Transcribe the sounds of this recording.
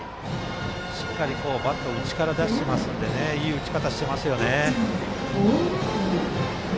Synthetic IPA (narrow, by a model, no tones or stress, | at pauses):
ɕi̥kːaɾʲiko̞ːbat̪ːo̞ɯ̟t͡ɕi̥kaɾad̪aɕi̥t̪emasɨnod̪e̞ne̞iːɯ̟t͡ɕi̥kat̪aɕi̥t̪e̞masɨjo̞ne̞